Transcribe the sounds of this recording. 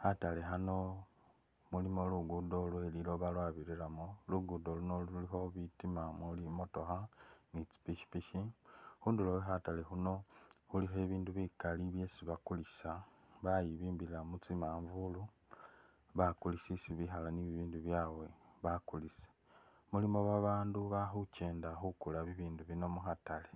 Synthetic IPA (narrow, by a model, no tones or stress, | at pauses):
hatale̞ɦano̞ | mulimo̞luɡudo̞lwe̞lilo̞βalwaβiɾiɾamoluɡudo̞luno̞luulixo̞βitimamulimo̞to̞xanit͡si̥piʃi̥piʃixuːnduloweɦatale̞xuno̞huliɦe̞βiːnduβikaliβje̞siβakulisaβajiβiːmbiɾilamut͡simaːɱvulu | βakulisisiβixalaniβiβiːnduβjaːwe̞βakulise̥ | mulimo̞βaβaːnduβaxuce̞ːndaxukulaβiβiːnduβino̞muxatale̞